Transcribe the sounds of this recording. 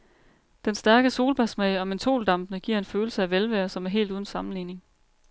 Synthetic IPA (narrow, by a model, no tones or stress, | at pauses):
d̥ensd̥æɐɡ̥əso̝ːlb̥æsmɛɪɒ̽me̝nt͡sʰo̝̰ːld̥ɑ̈m̰b̥nəɡ̥iɐ̰e̝nføːl̩səæʋelʋæːɐsɒ̽mæɐɦe̝̰ːlduːð̞ˠn̩sɑ̈mn̩liːne̝ŋ